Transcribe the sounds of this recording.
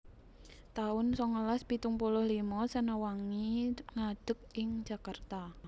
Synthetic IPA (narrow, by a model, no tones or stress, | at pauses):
t̪aʊnsɔŋəlaspit̪uŋpulʊhlimɔsənawaŋiŋad̥ə̤k̚ɪŋd͡ʒ̥a̤kart̪a